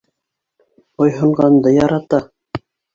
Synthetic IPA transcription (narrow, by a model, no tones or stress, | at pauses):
ŏjɦɤ̆ɴʁɑnd̪ɤjɑɾɑt̪ɑ